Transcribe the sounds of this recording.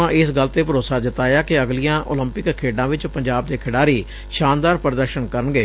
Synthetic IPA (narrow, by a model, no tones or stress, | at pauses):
ãːʔɪsɡəlt̪eːpəɾoːsaːd̪ɪt̪aːjaːkɪəɡlijãːʔo̰ːləmpɪkkʰːeːɖãːʋɪt͡ʃpəɲd͡ʒaːb̚d̪eːkʰɪɽaːɾiː | ʃaːnd̪aːɾpəɾd̪əɾʃənkəɾənɡeː